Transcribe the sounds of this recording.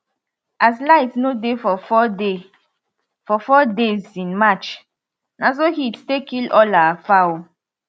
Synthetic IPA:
as̬laɪtsnodefɔfɔde | fɔfɔdezĩnmat͡ʃ | nas̬ohitstekilɔlaafaw

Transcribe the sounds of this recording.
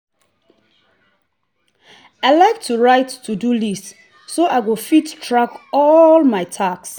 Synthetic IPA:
ajlajk̚tʰuɹajtːʰudulis | soʔajɡofittʰɹakɔlmajtʰaks

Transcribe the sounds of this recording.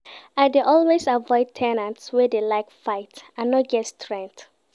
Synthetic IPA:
aɪdeʔɔlwezavɔɪd̚tʰɛnãntswɛdelaɪkfaɪtãnːɔt̚ɡɛtstʰɹɛ̃ŋk̚t

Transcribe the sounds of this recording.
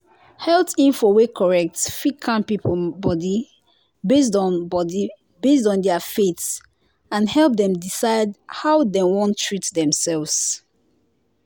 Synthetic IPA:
hɛltĩnfɔwekʰɔɹɛk̚tfikʰãnpipl̩bɔdi | bes̬dɔ̃nbɔdi | besdɔ̃ndɛəfets | ãnhɛlˠp̚dɛ̃mdisaɪdhaʊdewɔ̃ntʰɹitdɛ̃msɛlvs

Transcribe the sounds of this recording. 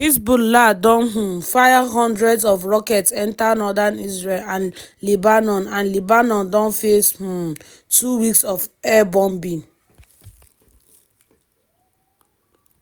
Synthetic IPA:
isbuladɔ̃nɦ̩faɪvɦɔ̃ndɹɛdsɔfɹɔkɛtsɛ̃ntanɔdanisɹelãnlibanɔ̃nãnlibanɔ̃ndɔ̃nfesh̩ | tuwiksɔfɛbɔ̃mbĩn

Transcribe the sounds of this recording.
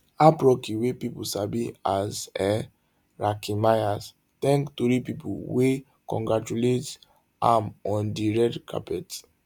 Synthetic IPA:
apɹɔkiwepipusabiazɛ | ɹakimajas | tɛ̃ŋktuɾipipṵwe | kɔ̰̃ŋɡɹat͡ʃulet | ã̰mɔ̃ndiɹɛtkʰa̰pɛt

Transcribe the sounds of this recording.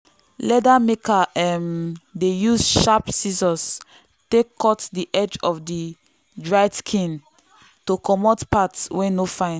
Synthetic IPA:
lɛdamekaɛmdejusʃapsizɔ̃s | tekʰːɔtdiʔɛd͡ʒɔfdi | dɹaɪskʰĩn | tokɔmotpatswɛ̃nofãɪ̃n

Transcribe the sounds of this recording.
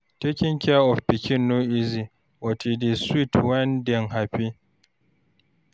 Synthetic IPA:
tekʲɪŋkʲaʔɔɸbɪkʲɪnːoʔizi | wɔtideswitwɐndɛŋɦaɸi

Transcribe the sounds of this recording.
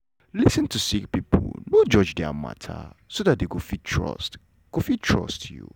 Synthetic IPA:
lisə̃ntʰusikpipʰɔ̰lnod͡ʒɔd͡ʒdɛa̰ma̰tʰa̰sodat̚deɡofitʰɹɔ̰st | ɡ̥ofitʰɹɔ̰stʰjṵ

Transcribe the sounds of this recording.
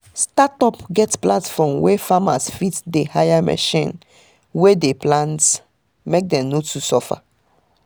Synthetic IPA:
statɔpɡɛtplatfɔ̃mwefama̰sfitdehajamʔɛ̰ʃĩn | wedeplãnt | mek̚dɛ̃mnotusɔfa̰

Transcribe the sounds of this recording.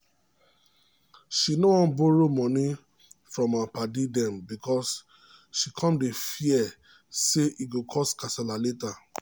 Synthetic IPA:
ʃinowɔ̃nboɹomɔ̃nĩ | fɹɔ̃mapadidɛ̃mbikɔs | ʃikʰɔ̃mdefiɛ | seʔiɡokʰɔskasɛlaleta

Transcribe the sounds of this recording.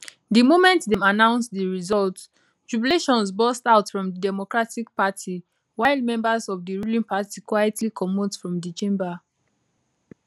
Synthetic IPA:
dimomɛ̃ntdɛ̃manãʊ̃nsdiɹizɔlt | t͡ʃɹubileʃɔ̃ns̬bɔstaʊtfɹɔ̃mdədɛmɔkɹatik̚patʰi | waɪlmɛ̃mbasɔvdiɹulĩnpatikwajɛtʰlikʰɔmotfɹɔ̃mdit͡ʃẽmba

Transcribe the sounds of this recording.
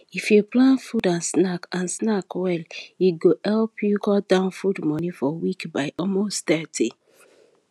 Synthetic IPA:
ifjuplãnfudãnsnakãnsnakwɛliɡohɛlpʰjukɔdãʊ̃nfudmɔnifɔwikbaɪʔɔmosttɛtʰi

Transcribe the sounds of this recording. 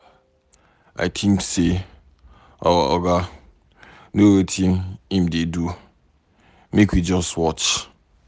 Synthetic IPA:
a̰ɪtʰĩmkse | ɔɔ̰ɡa | nowetʰĩnĩmdedu | mekwid͡ʒɔstwɔt͡ʃ

